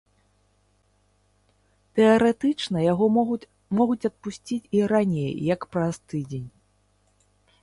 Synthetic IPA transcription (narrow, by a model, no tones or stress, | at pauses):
t̪ɛɐɾɛt̪ɨt͡ʂnɐjaɣɔ | mɔɣut͡sʲɐt̪̚pusʲt͡sʲit͡sʲiɾanʲejːɐkpɾɐst̪ɨd͡zʲenʲ